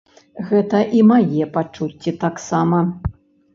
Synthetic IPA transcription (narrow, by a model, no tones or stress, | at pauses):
ɣɛt̪ɐʔimajɛpat͡ʂut͡sʲːit̪aksamɐ